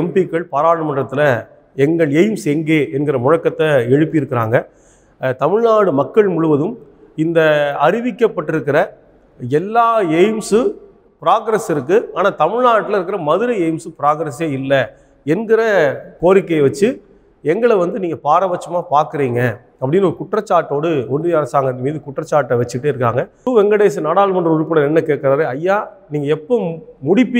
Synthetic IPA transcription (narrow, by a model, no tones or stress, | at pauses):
ɛmbɪkːɐɭpaːɾaːɽɐmɐɳrɐt̪ːɪlɐ | ɛŋɡɐɭɛjmsɛŋɡeːʔɛnɡɪɾɐmʊɻɐkːɐt̪ːɐɛɻɯpːɪjɪɾɯkːɪɾa̰ːŋɡɐ | t̪ɐmɪɻnaːɽɯmɐkːɐɭmʊɻʊʋɐðɯm | ɪnd̪ɐɐɾɪʋɪkːɐpːɐʈːɪɾɯkːɪɾɐ | ɛlːaːɛjmsɯ | pɪɾaːɡɾɐsɪɾɯk̬ːɯaːnaːt̪ɐmɪɻnaːʈːɪlɐɪɾɯkːɪɾɐmɐðɯɾɐɛɪmsɯpɪɾaːɡɾɐseːɪlːɐ | ɛnɡɪɾɐkoːɾɪkːɐjʋɐt͡ʃːɯ | ɛŋɡɐɭɐʋɐnd̪ɯniːŋɡɐpaːɾɐbɐt͡ʃːɐmaːpaːɾkɯɾiːŋɡɐ | ɐpːɐɽɪnːɐɔɾɯkʊʈrɐt͡ʃːaːɾʈːoːɽɯɔndɯɐɾɐsaːŋɡɐnɐmiːðɯkʊʈːrɐt͡ʃːaːɾʈːɐʋɛt͡ʃːɯʈːɯɪɾɯkːa̰ːŋɡɐʋɛŋɡɐɽeːs̬ɯnaːɽaːlmɐndɾɯʊɾʊpːɐɽɐɛnːɐkeːʈ̚kːɐɾaːɾeɐjːaːniːŋɡɐɛpːoːmʊɽɪpːi